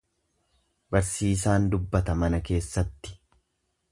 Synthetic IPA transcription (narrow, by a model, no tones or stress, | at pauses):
bɐɾsiːsaːnd̪ʊbːɐt̪ɐmɐnɐke̞ːsːɐt̪ːɪ̥